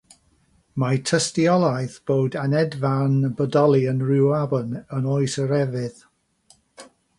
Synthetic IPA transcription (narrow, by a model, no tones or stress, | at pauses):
matʰəstiɔlˠajθb̥oːdanɛdvanbədɔlˠiənrɪwabənənoːɨsəɾɛvɪð